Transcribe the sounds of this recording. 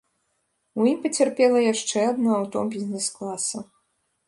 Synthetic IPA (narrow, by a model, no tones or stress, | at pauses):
ujimpɐt͡sʲɛrpʲɛlˠɐjaʂt͡ʂɛad̪nɔawt̪ɔ̰bʲizʲnɛsklˠasɐ